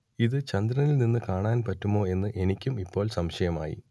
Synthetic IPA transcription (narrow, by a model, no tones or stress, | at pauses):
iðɨt͡ɕɐnd̪ɾɐnilninːɨkaːɳaːnpɐtːumo̞ːe̞nːɨʔe̞nikʲːumipːo̞ːɭsɐmʂɐjɐma̰ːjḭ